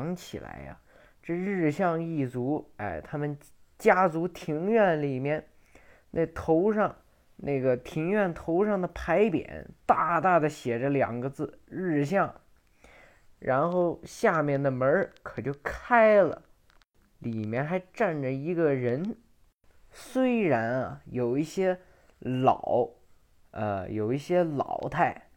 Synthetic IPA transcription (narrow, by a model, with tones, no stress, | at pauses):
ŋt͡ɕʰḭ˨˩la̰˧˥ɪɐ̰˧ | ʈ͡ʂɤ˥˧ɻɻ̩˥˧ɕjɑ˥˧ŋi˥˩t͡su˧˥a̰˥˩ɪt̪ʰa˥mə˨n | t͡ɕja˥t͡su˧˥t̪ʰi˧˥ŋɥɛ˥˩nli˨˩mjɛ˥˩n | nʔa˥˩t̪ʰo˧˥ʊʂɑ˥˧ŋ | nʔa˥˩ɪɡə˩t̪ʰi˧˥ŋɥɛ˥˩nt̪ʰo˧˥ʊʂɑ˥˩ŋd̪ə˩pʰa˧˥ɪpjɛ̰˨˩˦nt̪a˥˩t̪a˥˩d̪ə˩ɕjɛ˨˩ʈ͡ʂə˦ljɑ̰˨˩ŋɡə˦t͡sɹ̩˥˩ɻɻ̩˥˧ɕ̬jɑ˥˩ŋ | ɻa˧˥nxo˥˩ʊɕja˥˧mjɛ˥˩nd̪ə˩mə˧˥kʰɤ˨˩t͡ɕjo˥˧ʊkʰa˥ɪlə̰˨ | li˨˩mjɛ˥˩nxa˧˥ɪʈ͡ʂa˥˩nʈ͡ʂə˩i˧˥ɡə˧ɻə˧˥n | swe˥ɪɻa˧˥nɐ̰˧jo˨˩ʊi˥˩ɕjɛ˥ | lɑ̰˨˩˦ʊ | ə̰˧˩jo˨˩ʊi˥˩ɕjɛ˥lɑ̰˨˩ʊt̪ʰa˥˩ɪ